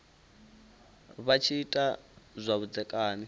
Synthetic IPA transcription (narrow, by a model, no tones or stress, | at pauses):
βat͡ʃʰiːtʼazʷaβud͡zɛkʼaːni